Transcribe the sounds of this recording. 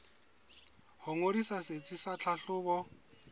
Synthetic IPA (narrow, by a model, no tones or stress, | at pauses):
hʊŋoɾisaset͡sʼisat͡ɬʰaɬʊːbɔ